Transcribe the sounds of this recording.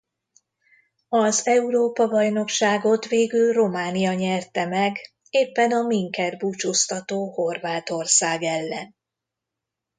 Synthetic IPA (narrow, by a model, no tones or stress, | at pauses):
ɒzɛuɾoːpɒbɒjn̪o̞kʃaːɡo̞t̪ʋeːɡylro̞maːnijɒɲɛrt̪ɛmɛɡ | eːpːɛnɒmiŋkɛrbuːt͡ʃoːst̪ɒt̪oːho̞rvaːt̪o̞rsaːɡɛlːɛn